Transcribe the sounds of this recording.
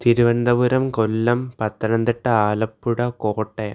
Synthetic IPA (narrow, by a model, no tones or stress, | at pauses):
t̪iɾɯʋɐnd̪ɐʋuɾɐmkɔlːɐmpɐt̪ːɐnɐnd̪iʈːɐaːlɐpːuɽɐkoːʈːe